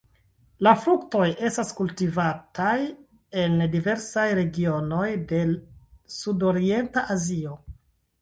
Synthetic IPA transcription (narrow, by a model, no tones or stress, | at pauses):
lafɾukto̞jʔe̞staskultivataj | e̞ndive̞ɾsajɾe̞ɡio̞no̞jde̞sudo̞ɾie̞ntaʔazio̞